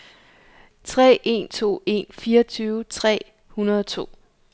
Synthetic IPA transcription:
t͡sʰʁɛ̰ːʔe̝nt͡sʰo̝̰ːe̝̰nfiːɐɒt͡sʰyːʊt͡sʰʁɛ̰ː | hunɐð̞ˠɒt͡sʰo̝̰ː

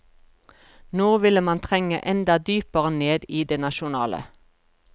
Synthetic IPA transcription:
noːʋɪləmɑnt̪ʰʁɛŋə̰ʔɛnd̪ɑd̪yːpəʁəneːd̪iːd̪eːnɑʃʊnɑːlʔə̰

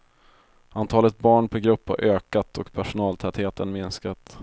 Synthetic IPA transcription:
ʔant̪ʰɑːlət̪̚bɑːɳpʰɔɡɾɵpːha̰ɾʔøːkat̪ɔkpʰæʂʊnɑːlt̪ʰɛt̪heːt̪ənmɪnskat̪

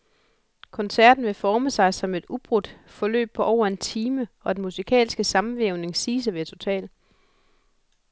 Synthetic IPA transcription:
kʰɒ̽nsæɐ̰d̥n̩ʋe̝fɒːməsɑ̈ɪsɒ̽me̝d̥ub̥ʁud̥ | fɒ̽lø̰ːb̥̚pʰɒ̽ʔɒʊ̰ɐe̝nt͡sʰiːməɒ̽d̥enmusikʰɛ̰ːlsɡ̥əsɑ̈mn̩ʋeʊne̝ŋsiːs̬əʋet͡sʰo̝t͡sʰɛ̰ːl

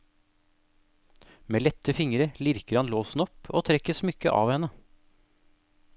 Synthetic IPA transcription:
meːlɛt̪əfɪŋɾəlɪɾkəɾhɑnloːsn̩ɔpoːt̪ʰɾɛkəsmʏkəʔɑ̰ːʋhɛnə

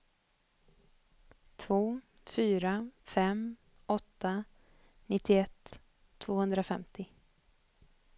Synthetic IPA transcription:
t̪ʰvoː | fyːɾafɛm | ɔt̪ːa | nɪt̪ːɪɛt̪ʰː | v̥oːhɵnd̪ɾafɛmt̪ɪ

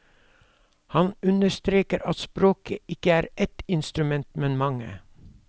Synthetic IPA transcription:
hɑnʉnəst̪ɾeːkəɾɑt̪spɾoːkʰəɪkəæːɾɛt̪ɪnst̪ɾʉmɛnt̪mɛnmɑŋə̰

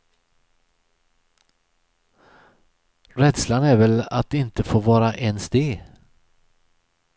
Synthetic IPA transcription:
ɾɛd̪slanæɾvɛla̰t̪ɪnt̪əfoːɾvɑːɾaʔɛnsd̪eː

